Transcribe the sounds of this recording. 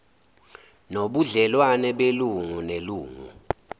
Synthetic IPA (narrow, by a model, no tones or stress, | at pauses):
noɓuɮɛlwanɛɓeluŋuneluːŋṵ